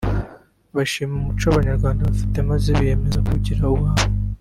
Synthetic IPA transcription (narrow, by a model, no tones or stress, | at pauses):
βaʃiːmumut͡ʃoβaɲaɾɡwaːndaβafi̥te̞maziβije̞me̞zokuɟiɾauwaβo